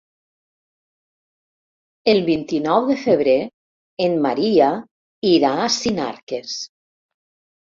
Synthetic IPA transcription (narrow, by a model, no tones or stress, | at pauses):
elˠβint̪inɔwðəfəβ̞ɾe | enmaɾia | iɾaːsina̰ɾkes